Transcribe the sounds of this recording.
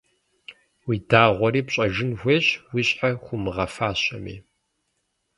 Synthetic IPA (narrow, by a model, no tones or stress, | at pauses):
widaːʁʷɔɾiːpɕʼɐʒɪnxʷeːɕwiɕʼħaxʷʊmɨʁɐfaːɕɐmḭː